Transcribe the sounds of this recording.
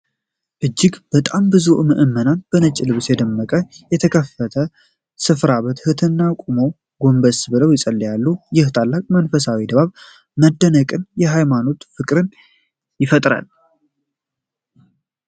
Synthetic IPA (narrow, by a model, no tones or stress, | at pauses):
ʔɨd͡ʒːɪɡb̥ət̪ʼambɨzuʔmɨʔɨmːənanbənət͡ʃʼːilɨβsjɛd̪əmːəkʼəjɛt̪ʰəkʰəfət̪ʰə | sɨfɾaβət̪hɨt̪ʰɨnːakʷʼumo̞ | ɡo̞mbəsbɨləwjɪsʼəlːjalːujɪht̪ʰalːakʼmənfəsawid̪əβaβ | məd̪ːənəkʼɨnjɛɦajmano̞t̪fɨkʼɾɨn | jɪfət̪ʼɾa̰l